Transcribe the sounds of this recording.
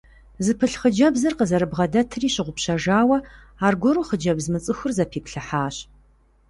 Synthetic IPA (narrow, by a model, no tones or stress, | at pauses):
zɨpʰɨɬχəd͡ʒɐbzɐrqəzɐɾɨbʁɐdɐtʰɨriːɕɪʁʷʊpɕɐʒaːwɐ | aːrɡʷɔɾuːχəd͡ʒɐbzmɨt͡sʼɨxʷʊrzɐpʰiːpɬɨħaːɕ